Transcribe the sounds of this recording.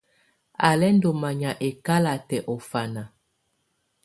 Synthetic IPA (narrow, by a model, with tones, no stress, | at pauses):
a˨lɛ˦ndo˨ma˨ɲa˨ʔe˨ka˦la˨tɛ˨ʔɔ˨fa˨na˨